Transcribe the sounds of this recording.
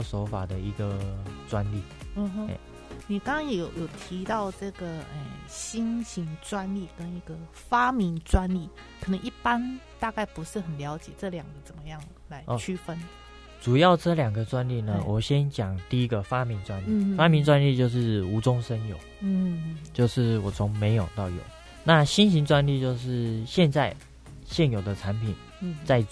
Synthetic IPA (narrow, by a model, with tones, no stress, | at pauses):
so˧˥ʊfa˨˩d̪ə˦i˧˥ɡə˧t͡swa˦nli˥˩˨ɦə̰˥˧˩ | ni˨˩kɑ˥ŋkʰɑ˥ŋjo˨˧˩jjo˨˩ʊt̪ʰi˧˥t̪ɑ˥˧ʊʈ͡ʂɤ˥˩ɡə˩ə˨˩ɕi˥nɕi˧˥ŋt͡swa˥nli˥˩kə˦ni˧˥ɡə˨ | fa˥mi˧˥ŋt͡swa˥nli˥˩ | kʰɤ˨˩nə˧˦ŋʔi˥˩pa˥nt̪a˥˧ka˥˩ɪpu˧˦ʂɻ̩˥˩xə˨˩nljɑ˧˥ʊt͡ɕjɛ˨˩ʈ͡ʂɤ˥˩ljɑ˨˩ŋɡə˦t͡sə˨˩nmə˦jɑ˥˩ŋ | la˧˥ɪɔ˥˧t͡ɕʰy˥fə˥n | t͡su˨˩jɑ˥˩ʊʈ͡ʂɤ˥˩ljɑ˨˩ŋɡə˦t͡swa˥nli˥˩nə˨wʔɔ˨˩ɕjɛ˦nt͡ɕjɑ˨˩ŋt̪i˥˩i˦˥ɡə˨fa˦mi˧˥ŋt͡swa˦nli˥˨fa˥mi˧˥nt͡swa˥˦nli˥˧t͡ɕjo˥˧ʊʂ̬ɻ̩˥˩u˧˥t͡sʊ˦ŋʂə˦njo˨˩˦ʊ˥t͡ɕjo˥˧ʊʂɻ̩˥˩wɔ˨˩t͡sʰʊ˧˥ŋme˧˥ɪjo˨˩ʊt̪ɑ˥˩ʊjɔ̰˨˩˦ | na˥˨ɕi˥nɕi˧˥ŋt͡swa˥nli˥˧t͡ɕjo˥˧ʊʂɻ̩˥˩ɕjɛ˥˧nt͡sa˥˩ɪ | ɕjɛ˥˩njo˨˩ʊd̪ə˦ʈ͡ʂʰa˧˥npʰi˨˩n˧˩ | t͡sa˥˧ɪ